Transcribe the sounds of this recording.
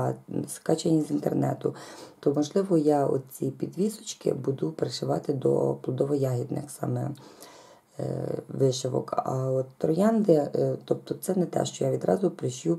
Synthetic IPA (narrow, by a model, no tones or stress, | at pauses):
skɑt͡ʃenʲːizʲint̪ḛrnɛ̰t̪ʊt̪ɔmɔʒlˠɪʋɔjaɔ̰d̪̚t͡sʲipʲid̪ʋʲisɔ̥t͡ʃkɪ̰bud̪ʊpeɾeʃɪʋɑt̪ɪd̪ɔ̰plˠɔd̪ɔʋɔjɑɦʲid̪nɪ̰xsɑ̰mɛ̰ | ʋɪʃɪʋɔ̰kɐ̰ɔt̪ːɾɔjɑnd̪ɪt̪ɔp̚t̪ɔt̪sɛnɛt̪ɛ̰ʃt͡ʃɔjaʋʲid̪ɾɑ̰zʊpɾɪʃju